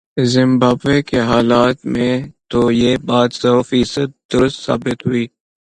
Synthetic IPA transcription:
zɪ̃mbaːbekeɦaːlaːt̪mẽt̪ojeːbaːt̪sɔːfiːsəd̪̚ːʊɾʊst̪sa̰ːbɪt̪ɦʊiː

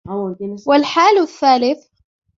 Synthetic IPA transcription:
wɪlħaːlθːaːlɪθ

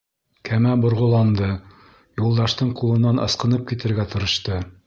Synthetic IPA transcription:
kʰæmæbŏɾʁŏlˠɑnd̪ɤ | julˠd̪ɑʃt̪ɤɴqulˠɤ̆nːɑnʔɤ̰̆sqɤ̆nɤp̚kit̪ɘ̆ɾɡæt̪ɤ̆ɾɤ̆ʃt̪ɤ

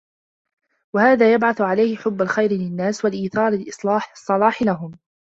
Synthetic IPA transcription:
wahaːðaːjabʕaθʊʕalajhɪħʊbːalxajɾɪlɪnːaːswalʔiːθɑːɾˤalʔɨsˤlɑːħsˤːɑlɑːħɪlaɦʊm

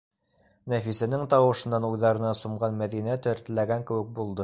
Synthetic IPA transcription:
næfisænɘŋt̪ɑwɤ̆ʃɤ̆nːɑnujðɑɾɤ̆nɑsumɢɑnmæðinæt̪ɘ̆ɾt̪ɘlæɡæŋkɘ̆wɘ̆k̚bulˠd̪ɤ

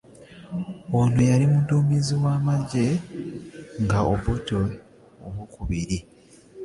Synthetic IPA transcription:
onojalimudoːmiziwaːmaɟe̞ | ŋɡaoβoto | oβukuβiɾi

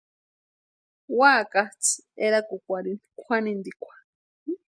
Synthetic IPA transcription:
waːkat͡sʰeɾakukʷaɾinkʷʰanind̪ikʷʰḁ

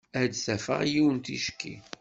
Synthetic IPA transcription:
æd̪θæfə̰ʁjiwənt̪iʃkːḭ

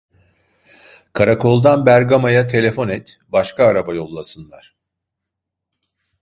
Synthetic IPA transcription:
kʰaɾakʰo̞lˠd̪anbæɾɡamajat̪ʰe̞lʲe̞fo̞nɛt̪ | baʃkʰaːɾabajo̞lˠːasɯnlˠaɾ̥

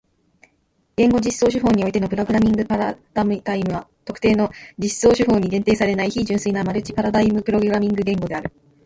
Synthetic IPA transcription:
ɡ̥ẽ̞ŋɡo̞d͡ʑiso̞ːɕ̬ɨɦo̞ːɲ̟io̞it̪e̞no̞pɯ̟ɾo̞ɡɯ̟ɾamʲĩŋɡɯ̟paɾad̪̥amd̪aimɯ̟βat̪o̞kɯ̟t̪e̞ːno̞d͡ʑiso̞ːɕɨɦo̞ːɲ̟iɾẽ̞nt̪e̞ːsaɾe̞naiçiʑɨ̃ɰ̃sɨinamaɾɯ̟t͡ɕi̥paɾad̪aimɯ̟pɯ̟ɾo̞ɡɯ̟ɾamʲĩŋɡɯ̟ɡẽ̞ŋɡo̞d̪e̞aɾɯ̟

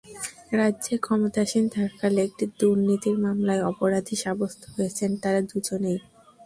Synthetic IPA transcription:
ɾadːʑekʰɔmot̪aʃind̪ʱakalek̚ʈid̪uɾnit̪iɾmamlaeɔpoɾad̪ʱiʃabost̪ʰoɦojet͡ɕʰent̪aɾad̪ud͡ʑonej

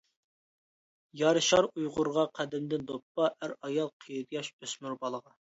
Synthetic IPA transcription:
jɑɾɨʃɑɾujʁʊɾʁɑqʰæd̪ɪmd̪ɪnd̪opːɑʔæɾɑjɑlˠqʰijd̪jɑʃøsmyɾbɑlˠəʁɑ

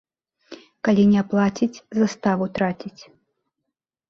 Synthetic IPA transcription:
kalʲinʲɛplˠat͡sʲit͡sʲzast̪avut̪ɾat͡sʲit͡sʲ

